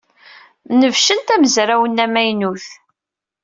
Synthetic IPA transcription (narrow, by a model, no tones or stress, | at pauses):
nəvʃənt̪æməzɾawənːæmæjnuθ